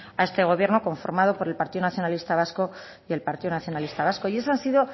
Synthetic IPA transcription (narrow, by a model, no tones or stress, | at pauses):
ae̞st̪e̞ɣ̞o̞β̞je̞ɾno̞ko̞ɱfo̞̰ɾmað̞o̞po̞ɾe̞lpaɾt̪iðo̞naθjo̞nalist̪aβ̞asko | je̞lpaɾt̪iðonaθjo̞nalist̪aβ̞asko̞ie̞sansiðo̞